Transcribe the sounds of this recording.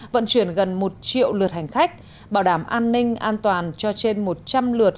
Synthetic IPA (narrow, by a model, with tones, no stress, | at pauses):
və̰˧˥nt͡ɕwi˧˩ənɣə˨˩nmo˨˩t̚t͡ɕḭ˧˨əwlɨ˨˩ət̚ha˨˩jŋ̟xa˦˥k̟̚ | ɓaː˧˩wɗaː˧˩mʔaː˧nːï˧ŋ̟ʔaː˧nt̪waː˨˩nt͡ɕɔ˧t͡ɕe˧nmo˨˩t̚t͡ɕa˧mlɨ˨˩ət̚